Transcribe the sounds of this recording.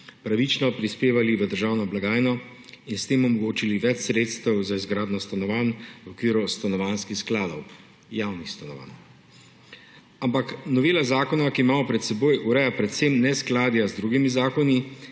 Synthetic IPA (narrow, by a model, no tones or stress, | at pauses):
pɾaʋit͡ʃnɔpɾispeːʋaliʋəd̪əɾʒaːwnɔblaɡaːjnɔ | inst̪eːmɔmɔɡoːt͡ʃiliʋɛt͡ʃsɾeːt̪st̪əwzaizɡɾaːd̪nɔst̪anɔʋanwɔkʋiːɾust̪anɔʋanskixsklaːd̪ɔw | jawnixst̪anɔʋa̰n | ampaknɔʋeːlazaːkɔnakiːmaːmɔpɾɛt̪sɛboːjʔuɾɛjapɾɛt̪semnɛsklaːd̪jazd̪ɾuːɡimizaːkɔni